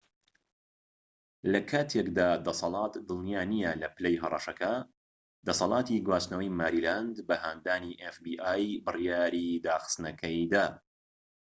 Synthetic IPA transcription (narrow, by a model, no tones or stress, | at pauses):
lɐkʰaːt̪ʰekd̪aːd̪ɐsɑlˠɑːt̪d̪ɨlˠnijaːnijɐlɐpɨlejɦɐrˤɑʃɐkɐ | d̪̥ɐsɑlˠɑːt̪ʰiɡwaːsnɐwɐjmaːɾiːland̪bɐhaːnd̪aːniʔefbiːʔaːjbɨrijaːɾid̪aːxɨ̥st̪nɐkʰɐjd̪aː